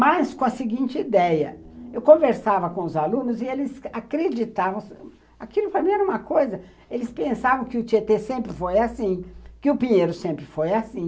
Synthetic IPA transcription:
majskõɐsɪɡĩnt͡ʃɪid̪ɛjɐ̰ewkõveɾsavɐkõʊzalũnʊzɪelɪzakɾed͡ʒit̪avɐ̃w̃s | akilʊpɾɐmĩɛɾɐũmɐkojzɐ | elɪspẽsavɐ̃w̃kɪʊt͡ʃiet̪esẽmpɾɪfojasĩkɪʊpĩɲejɾʊsẽmpɾɪfojasĩ

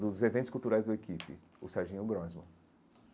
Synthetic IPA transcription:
d̪ʊzevẽt̪ʊskuwt̪uɾajzd̪ɐekipɪ̰ | ʊsaɾʒĩʊɡɾɔ̃zmɐ̰̃

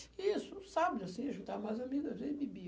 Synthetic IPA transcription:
isʊsabɪd͡ʒasĩaʒũt̪amajzamiɡɐzẽbibi

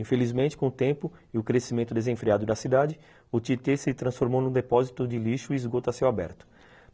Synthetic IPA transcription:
ĩfelizmẽnt͡ʃɪ̥kõʊt̪ẽmpʊɪʊkɾesimẽnt̪ʊd̪ezẽfɾiad̪ʊd̪ɐsid̪ad͡ʒɪ | ʊt͡ʃ̪it̪esɪt̪ɾɐ̃sfoɾmownũd̪epɔzit̪ʊd͡ʒɪliʃʊiːzɡot̪asewabɛ̰ɾt̪ʊ̥

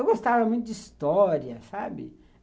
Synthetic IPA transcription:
ewɡost̪avɐmũj̃t̪̬ʊd͡ʒɪist̪ɔɾiɐsabɪ̰

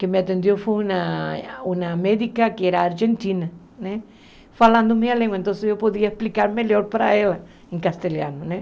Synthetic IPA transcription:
kemeat̪ẽnd̪jofeunaunameðikakeeɾaːɾʒent̪ina | nẽ | falãnd̪omẽalẽŋɡwaent̪õnsejopoðiaesplikaɾmeleoɾpaɾa̰ela | ẽŋkast̪elja̰nonẽ

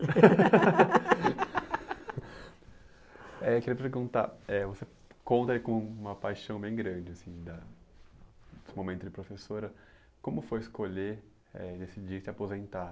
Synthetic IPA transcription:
ɛkeɾiɐpeɾɡũt̪a̰ɛvose | kõnt̪ɐaikõmũmɐpajʃɐ̃w̃bẽj̃ɡɾɐ̃d͡ʒɪasĩd̪ɐ | ʊ̥sɪmomẽnt̪ʊzd͡ʒɪpɾofesoɾɐ | kõmʊfojɪskoʎe | ɛ̰d̪esid͡ʒisɪapozẽnt̪a

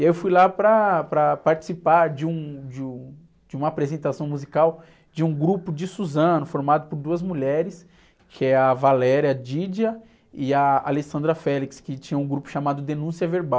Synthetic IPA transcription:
iaewfujlapɾɐpɾɐpaɾt͡ʃi̥sipaɾd͡ʒɪũd͡ʒɪũ | d͡ʒɪũmɐapɾezẽnt̪asɐ̃w̃muzikaw | d͡ʒɪũɡɾupʊd͡ʒɪsuzɐ̃nʊfoɾmad̪ʊpoɾd̪uɐzmuʎɛɾɪs | kʰɪɛɐvalɛɾjɐd͡ʒid͡ʒiɐ | ɪɐa̰lesɐ̃nd̪ɾɐfɛlikskɪt͡ʃĩɲɐ̃ũɡɾupʊ̥ʃamad̪ʊd̪enũsiɐveɾbaw

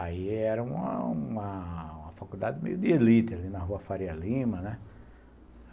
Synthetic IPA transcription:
aiɛɾɐũmɐ̰ũɐũmɐfakud̪ad̪ɪmḛjʊd̪ɪelit̪ɪalinɐɦuɐfaɾialĩmɐnɛ

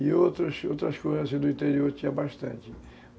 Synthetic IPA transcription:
iot̪ɾɐsot̪ɾɐskojzɐsẽnd̪ʊĩnt̪eɾioɾt͡ʃ̪iɐbaʃt̪ɐ̃nt͡ʃ̪ɪ

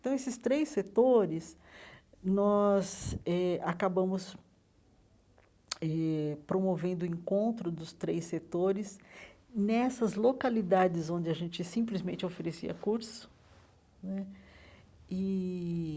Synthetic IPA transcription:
t̪ɐ̃w̃esɪst̪ɾejsːet̪oɾɪs | nɔzɛakabɐ̃mʊs | ɛpɾomovẽnd̪ʊẽŋkõnt̪ɾʊd̪ʊst̪ɾejsːet̪oɾɪs | nɛsɐzlokalid̪ad͡ʒɪzõd͡ʒɪɐʒẽt͡ʃɪsĩplizmẽnt͡ʃɪofeɾesḭɐ̰kuɾsʊ̥ | nɛ | ɪ

